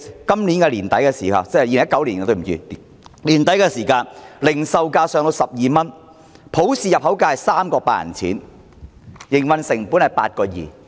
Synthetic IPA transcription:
kɐ˥mli˨˥nkɛː˧liː˨˩nt̪ɐ˨˥jkɛː˧siː˨˩hɐ̰˨˩t͡sɛ˥˨jiː˧lŋ˦ɐ˥kɐ˧˥wli˨nkɛ˧t̪o˧˩m̩˨˩jḭː˨˧˨ | liː˨˩nt̪ɐ˨˥jkɛː˧siː˨˩kaː˧nlɪ˨˩ŋsɐ˨wkaː˧sœː˨˧ŋt̪o˧wsɐ˨p̚jiː˨mɐ˥n | pʰo˨˥wsiː˨jɐ˨p̚ɦɐ˨˥wkaː˧hɐ˨jsaː˥mkɔː˧paː˧jɐ̰˨˩nt͡sʰḭː˨˥n | jɪ˨˩ŋwɐ˨˧nsɪ˨˩ŋpu˨˥nhɐ˨jpa̰ː˧t̚kɔː˧jḭː˨˩

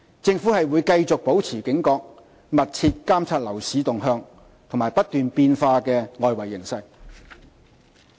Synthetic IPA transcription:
t͡sɪ˧ŋfuː˨˥hɐ˨jwuː˨˧jkɐ˧jt͡sʊ˨k̚po˨˥wt͡sʰiː˨˩kɪ˨˥ŋkɔː˧k̚ | mɐ˨t̚t͡sʰiː˧t̚kaː˥mt͡sʰaː˧t̚lɐ˨˩wsiː˨˥t̪ʊ˨ŋɦœː˧ŋ | t̪ʰʊ˨˩maː˨jpɐ˥t̚t̪yː˨npiː˧nfaː˧kɛː˧ŋɔː˨jwɐ˨˩jːɪ˨˩ŋsɐ˧j

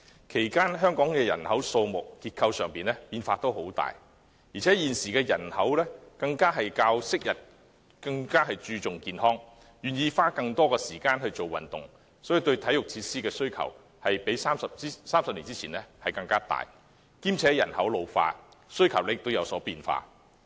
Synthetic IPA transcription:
kʰe˨˩jkaː˥nɦœː˥ŋkɔː˨˥ŋkɛː˧jɐ̰˨˩nhɐ˨˥wso˧wmʊ˨k̚ːiː˧t̚kʰːɐ˧wsœː˨ŋpiː˨˩nlɛ˥piː˧nfaː˧t̪o˥who˨˥wt̪a̰ː˨˩j | ji˨˩t͡sʰɛː˨˥jiː˨nsiː˨kɛː˧jɐ̰˨˩nhɐ˨˥wlɛː˥kɐ˧ŋkaː˥ɦɐ˨jkaː˧wsɪ˥k̚jɐ˨˩t̚ | kɐ˧ŋkaː˥ɦɐ˨jt͡ʃyː˧t͡sʊ˨ŋkiː˨nɦɔː˥ŋ | jyː˨˩njiː˧faː˥kɐ˧ŋt̪ɔː˥kɔː˧siː˨˩kaː˧˥nɦɵ˧ɥt͡so˨wɐ̰˨˩nt̪ʊ̰˨ŋ | sɔ˨˥ji˨˧t̪ɵ˧ɥt̪ʰɐ˨˥jʊ˨k̚t͡sʰiː˧tsiː˥kɛː˧sɵ˥ɥkʰɐ̰˨˩w | hɐ˨jpe˨˥jsaː˥msɐ˨p̚i˥saː˥msɐ˨p̚liː˨˩t͡siː˥t͡sʰiː˨˩nɛː˥hɐ˨jkɐ˧ŋkaː˥t̪a̰ː˨˩j | kiː˥mt͡sʰɛː˨˥jɐ̰˨˩nhɐ˨˥wlo˨˧wfa̰ː˧sɵ˥ɥkʰɐ˨˩wle˥t̪o˥wjɐ˨˧wsɔː˨˥piː˧nfa̰ː˧

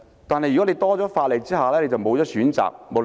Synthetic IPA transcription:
t̪aː˨nɦɐ˨jy˨kɔ˨˥e˧jt̪ɔː˥t͡sɔː˨˥faː˧t̚le˨˩t͡siː˥haː˨lɛː˥le˧jt͡sɐ˨wmo˨˧wt͡sɔː˨˥syː˨˥nt͡sa̰ː˨k̚mo˨˧w

